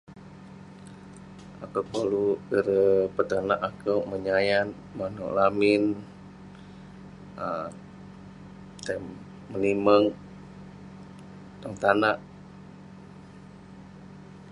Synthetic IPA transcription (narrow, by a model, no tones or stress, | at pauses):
akəpəluɡəɾəpət̪anaʔakəwməɲajan | manṵʔlamɪn | ə | t̪am | məniməŋ | daŋt̪anaʔ